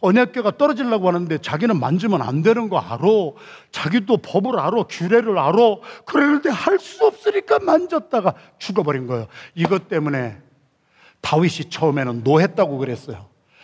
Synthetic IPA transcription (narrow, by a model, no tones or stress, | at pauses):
ʌɲak͈eɡat͈ʌɾʌd͡ʑiɭːaɡohanɯnde̞t͡ɕaɡinɯnma̰nd͡ʑɯmjʌna̰ndwe̞nɯnɡʌa̰ɾo | t͡ɕaɡidopʌbɯɾaɾokjuɾe̞ɾɯɾaɾokɯɾenɯndehaɭs͈uʌp̚s͈ɯɲik͈amand͡ʑʌt̚t͈aɡa | t͡ɕuɡʌbʌɾinɡʌjoiɡʌt͈e̞mune̞ | tawiɕʰit͡ɕʰʌɯme̞nɯnːoɦe̞t̚t͈aɡokɯɾe̞s͈ʌjo